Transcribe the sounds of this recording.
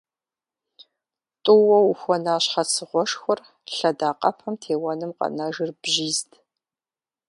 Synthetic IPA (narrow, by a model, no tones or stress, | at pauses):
tʼʊwɐwuxʷɔnaːɕħɐsʰɨʁʷɔʂxʷʊr | ɬɐdaːqʼɐ̰pʰɐmtʰeːwɐnɨmqɐ̰naʒɪrb̥ʒiːztʰ